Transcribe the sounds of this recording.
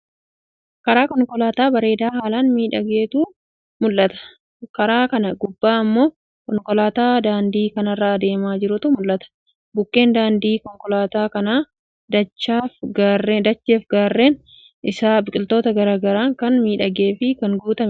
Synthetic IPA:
kɐɾaːkɔŋkɔlaːt̪aːbɐɾe̞ːd̪aːhaːlaːnmiːᶑɐɡe̞ːt̪uː | mʊlːɐt̪ɐ̥ | kɐɾaːkɐnɐɡʊbːaːɐmːo̞ː | kɔŋkɔlaːt̪aːd̪aːnd̪iːkɐnɐrːaːd̪e̞ːmaːd͡ʒɪɾʊt̪ʊmʊlːɐt̪ɐ̥ | bʊkːe̞ːnd̪aːnd̪iːkɔŋkɔlaːt̪aːkɐnaː | d̪ɐt͡ʃːaːfɡaːrːed̪ɐt͡ʃːe̞ːfɡaːrːeːn | ʔɪsaːbɪkʼɪlt̪o̞ːt̪ɐɡɐɾaːɡɐɾaːŋkɐnmiːᶑɐɡe̞ːfɪkɐŋɡuːt̪ɐm

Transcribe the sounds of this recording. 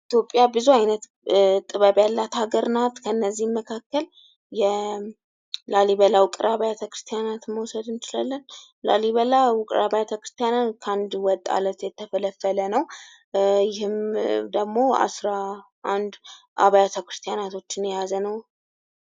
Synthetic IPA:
it̪jo̞pʼːjabɨzuajnət̪ | t̪ʼɨβəβjalːat̪haɡəɾnat̪kʰəɨnːəzːihməkʰakːəl | jɛ | laliβəlawʊkʼɨɾaβajat̪ʰəkɾɨ̥st̪ʰijanat̪məwsəd̪ɨnt͡ʃɪlalːən | la̰liβəlawʊkʼɾaβajat̪ʰəkɾɨ̥st̪ʰijanakʰand̪wɔt̪ʼːa̰lət̪jɛt̪ʰːəfələfːələnəw | jɪhɨmd̪əɡmo̞a̰sɾa | ʔand̪ | ʔa̰βajat̪ʰəkɾɨ̥st̪ʰijanat̪ʰo̞t͡ʃːɪnjɛjazənəw

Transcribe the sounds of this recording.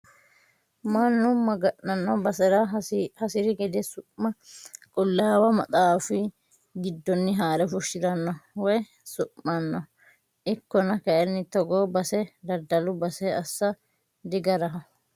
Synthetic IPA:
mɐnːʊmɐɡɐʔɐnːɔbɐsɛɾɐhɐsɪɾɪɡɛd̪ɛsʊʔmɐkʼʊlːaːwɐmɐt̪ʼaːfɪ | ɡɪd̪ːɔnːɪɦaːɾɛfʊʃːɪɾɐnːɔwɔj | sʊʔːɐnːɔ | ʔɪkːɔnɐkɐʔɛnːɪt̪ɔɡoːbɐsɛd̪ɐd̪ːɐlʊbɐsɛɐsːɐ | d̪ɪɡɐɾɐɦɐ

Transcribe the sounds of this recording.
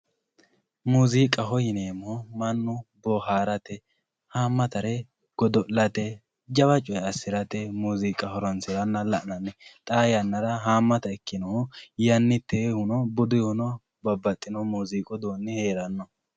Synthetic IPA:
muːziːkʼɐɦɔjɪneːmːɔmɐnːʊbɔɦaːɾɐt̪ɛ | haːmːɐt̪ɐɾɛ | ɡ̥ɔd̪ɔʔlːɐt̪ɛ | d͡ʒɐbɐt͡ʃʼɔjɐsːɪɾɐt̪ɛmuːziːkʼɐhɔɾɔnsɪɾɐnːɐlɐʔnɐnːɛt̪ʼaːjɐnːɐɾɐɦaːmːɐt̪ɐɛkːɪnɔjɐnːɪt̪ːehʊnɔbʊd̪ʊjhʊnɔ | bɐbːɐt̪ʼːɪnɔmuːziːkʼɔd̪oːnːɪhe̞ːɾɐnːɔ

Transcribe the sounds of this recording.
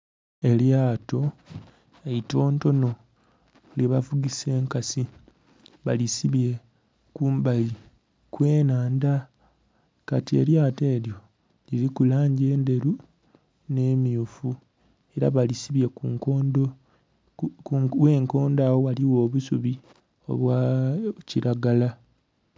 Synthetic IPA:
e̞ljaːto̞ | eito̞ːnto̞no̞ | leβavuɡise̞ːŋkasi | βalisiβje̞ | kuːmbali | kwe̞ːnaːnda | katie̞̰ljaːte̞ːɾjo̞ | liɾikulaːɲɟe̞ːnde̞ɾu | ne̞miufu | e̞ɾa̰βalisiβje̞kuŋko̞ːndo | we̞ːŋko̞ːndawo̞waliwo̞ːβusuβi | o̰βwaciɾaɡala

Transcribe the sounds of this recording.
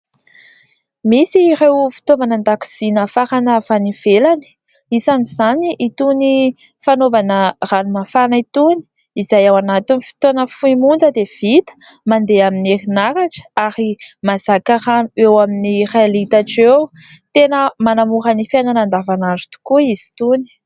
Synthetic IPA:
misirewfi̥t̪ovanand̪aki̥z̥inəfaɾanavaniv̥elani̥ | isaniz̥aniʔit̪uni | fanovanəranumafanəit̪uni̥ | izajawanat̪inifi̥t̪onəfuimund͡zəd̪ev̥it̪ə̥ | mand̪eamineɾinakaʈ͡ʂə̥aɾimazakaɾanuewaminirealit̪aʈ͡ʂew | t̪enəmanamuɾənifananand̪avanaɳɖ͡ʐu̥t̪u̥kuiz̥i̥t̪uni̥

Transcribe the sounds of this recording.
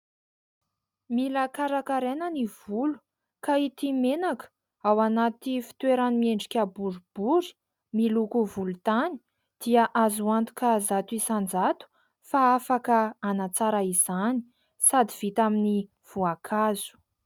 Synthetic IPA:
milakaɾakaɾenəniv̥ulu̥ | kait̪imenaku̥ | awanat̪ifi̥t̪weɾanimieɳɖ͡ʐikʲabuɾub̥uɾi̥ | milukuvulut̪ani̥ | d̪̥iaʔazuant̪u̥kazat̪uisand͡zat̪u̥ | faafakəːnat͡saɾaiz̥ani̥ | sad̪iv̥it̪amini | v̥uakʰazu̥

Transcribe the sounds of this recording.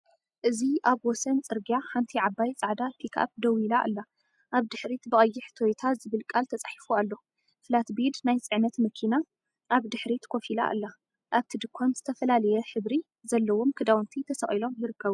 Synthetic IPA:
ʔɨziʔaβwɔsɐnt͡sʼɨɾɡijaħant̪ʰiʕabajt͡sʼaʕd̪at̪ʰikʰa̰p̚d̪ɐwilaʔɨ̰lːa | ʔaβd̪ɨħɾit̪bɨkʼɐjːɪħt̪ʰojt̪ʰazɨβɨlkʼalt̪ʰɐt͡sʼaħi̥fualːo̞ | fɨlat̪bid̪najt͡sʼɨʕnɐt̪mɐkʰina | ʔaβd̪ɨħɾit̪kʰo̞fila̰ʔɨ̰lːa | ʔaβt̪ʰid̪ɨkʰːomz̥ɨt̪ʰɐfɐlalɐjɛħɨβɾi | zɐlːɐwo̞mkʰɨd̪awnt̪ʰit̪ʰɐsɐχʼilo̞mjɪɾɨkːɐβu

